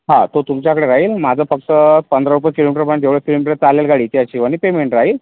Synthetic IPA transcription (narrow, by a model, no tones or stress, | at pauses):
ɦãt̪ot̪umt͡ɕjakəɽeɾaɦiːlmad͡zʱəfək̚t̪əpənd̪ɾəɾupəkilomiʈəɾpaɳt̪eʋɭekilomiʈəɾt͡saljalɡaɽiːt̪jat͡ɕiːʋañipemeɳʈɾaɦiːl